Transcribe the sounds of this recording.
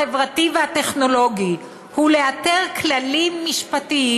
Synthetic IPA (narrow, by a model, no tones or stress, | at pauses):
evʁativeate̞χno̞lo̞ɡi | hule̞ate̞ʁklalimːiʃpatii